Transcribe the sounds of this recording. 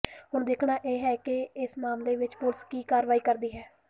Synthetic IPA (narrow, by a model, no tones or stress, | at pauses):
ɦʊɳd̪eːkʰnaːʔeːɦɛːkɪɪsmaːmleːʋɪt͡ʃpʊɾskiːkaːɾʋaːiːkəɾd̪iːɦɛː